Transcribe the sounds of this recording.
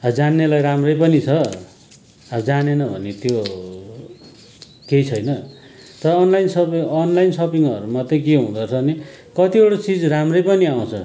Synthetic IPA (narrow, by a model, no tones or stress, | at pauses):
ʌd͡zanːelajɾamrʌjpʌnit͡sʰʌ | ʌd͡zanenʌbʱʌ̰net̪jo | kejt͡sʰʌjnʌ | t̪ʌɾʌːnlajnsʌpʌnlajnsʌpiŋʌɾumʌt̪ːekeɦũd̪ʌrt͡sʰʌni | kʌt̪ioɽot͡sid͡zramrʌjpʌniaw̃t͡sʰʌ̰